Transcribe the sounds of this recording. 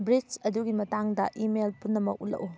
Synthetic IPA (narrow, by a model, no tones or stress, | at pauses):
bɾit͡ʃɐduɡimɐtaŋdɐʔimelpunːɐmɐk̚ulɐ̰ʔu